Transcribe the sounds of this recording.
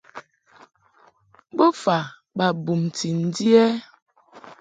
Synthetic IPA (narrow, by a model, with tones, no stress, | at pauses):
bo˦fa˨ | ba˨bu˨mti˨n̩˦di˦ɛ˦